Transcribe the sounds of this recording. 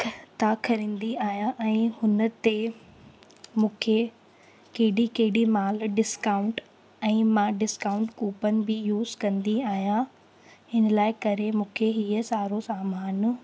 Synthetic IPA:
t̪akʰɐɾĩːnd̪iaːɦjãʔɛ̃ːhʊnə̆t̪e | mũːkʰe | keɦɪɗikɐɦɪɽimaːlɖɪskaːʊ̃ɳʈ | ɛ̃ːmãɖɪskaːʊ̃ɳʈkuːpənɪ̆bɪjuːzkɐ̃nd̪iaːɦjã | ɪnlaːɪkɐɾemũːkʰeɦiːəsaːɾosaːmaːn

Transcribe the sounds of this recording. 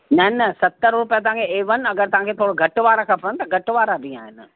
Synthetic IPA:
nɐnɐsɐt̪ːəɾɾʊpjat̪ɐʋ̤ãŋkʰeeːʋən̆ɐɡəɾt̪ɐʋãŋkʰet̪ʰoːɽɡʱɐʈʋaːɾakʰãːpənt̪ɐɡʱɐʈʋaːɾadĩa̰ːɦɪn

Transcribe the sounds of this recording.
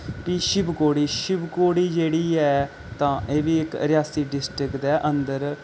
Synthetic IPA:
piːʃɪbkoːɽiːʃɪbkoːɽiːd͡ʒeːɽiːɛː | t̪ãːʔeːʋiːɪkɾɪjaːsiːɖɪsʈɾɪkd̪ɛːʔənd̪əɾ

